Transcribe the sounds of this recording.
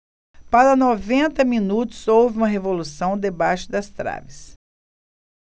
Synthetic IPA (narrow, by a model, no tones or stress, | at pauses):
paɾɐnovẽnt̪ɐmĩnut̪ʊ̥zowvɪũmɐɦevolusɐ̃w̃d̪ebaʃɪd̪ɐst̪ɾa̰vɪs